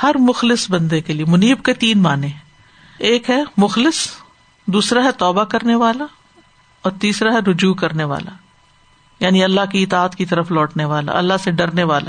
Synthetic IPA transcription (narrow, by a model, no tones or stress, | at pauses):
hɐɾmʊxlɪsbɐ̃nd̪ekeliemʊniːbket̪iːnmaːnẽ | eːkɦɛmʊxlɪs | d̪uːsɾaɦɛt̪ɔːbakɐɾneʋaːla | ɔːɾt̪iːsɾaɦɛɾʊd͡ʒuːkɐɾneʋa̰ːla̰ | jaːniɐlːaɦkiɪt̪aːət̪kit̪ɐɾəflɔːʈneʋaːla̰ɐ̰lːaɦseɖɐɾneʋaːla̰